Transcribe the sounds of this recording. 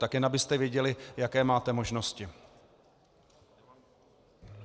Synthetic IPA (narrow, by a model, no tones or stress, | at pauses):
t̪akjɛnabɪst̪ɛvjɛɟɛlɪjakɛːmaːt̪ɛmo̞ʒno̞scɪ